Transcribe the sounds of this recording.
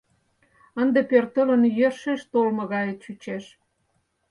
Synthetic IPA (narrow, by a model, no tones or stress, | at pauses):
ənd̪epørt̪ələnjørʃeʃt̪olmɤ̆ɣɑjəʃyt͡ɕeʃ